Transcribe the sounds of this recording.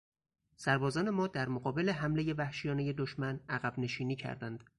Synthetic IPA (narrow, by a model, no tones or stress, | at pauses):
sæɾbɒːzɒːne̞mɒːd̪æɾmoɣɒːbe̞le̞ɦæmleje̞væhʃijɒːne̞je̞d̪oʃmænæɣæbne̞ʃiːniːcʰæ̰ɾd̪ænd̪̥